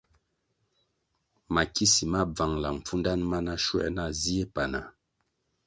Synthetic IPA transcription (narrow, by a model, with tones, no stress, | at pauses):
ma˨ki˦si˨ma˦b͡va˨ŋla˨m̩˨fu˦nda˦nma˦na˦ʃwɛ̰˦ʔna˦zi˦e˦pa˨na˨